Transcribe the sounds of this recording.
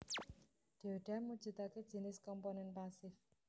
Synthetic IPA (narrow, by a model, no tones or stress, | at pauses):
d̥eoɖ̥amu̥d͡ʒ̥ṳt̪ake̥d͡ʒi̤nɪskɔmponɛnpasɪf